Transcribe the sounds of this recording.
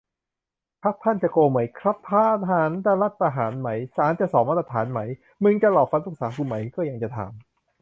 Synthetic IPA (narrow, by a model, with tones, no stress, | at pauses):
pʰa˦˥k̚t̪ʰa˥˩nt͡ɕa˨˩koː˧ma˩˦jkʰɾa˦˥pʰːaː˦˥ʔ̪ɦaː˨˩˦nd̪aː˥˧˩la˦˥˩t̪̚ːa˧ɦaː˨˩˦nma˩˦jsaː˨˦nt͡ɕa˨˩sɔː˨˩˦ma˦˥t̪ɾa˧t̪ʰaː˩˦nma˩˦j | mɯ˧ŋt͡ɕa˧˨lɔː˨˩p̚fa˧˦nʔu˨˩k̚saː˨˩˦kʰu˧nma˩˦jkɔː˥˩ja˧ŋt͡ɕa˨˩t̪ʰa̰ː˨˦m